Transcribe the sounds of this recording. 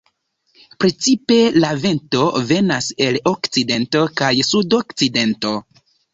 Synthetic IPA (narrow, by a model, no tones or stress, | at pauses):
pɾe̞t͡sipe̞lavento̞ve̞nase̞lokt͡side̞nto̞kajsudo̞kt͡side̞nto̞